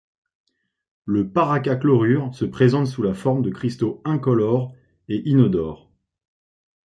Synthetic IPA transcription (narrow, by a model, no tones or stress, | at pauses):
ləpaʁakaklɔʁyʁsəpχezɑ̃t̪sulafɔʁmd̪əkχist̪oɛ̃kɔlɔʁ | eʔinɔd̪ɔːʁ